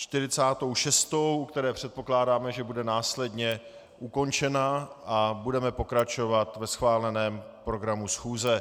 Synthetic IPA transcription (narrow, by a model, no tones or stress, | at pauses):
t͡ʃt̪ɪɾɪt͡saːt̪o̞wʃɛst̪o̞wʔukt̪ɛɾɛːpr̥ɛt̪̚po̞klaːdaːmɛʒɛbudɛnaːslɛdɲɛ | ʔuko̞nt͡ʃɛnaʔabudɛmɛpo̞kɾat͡ʃo̞vat̪vɛsxvaːlɛnɛːm | pɾo̞ɡɾamusxuːzɛ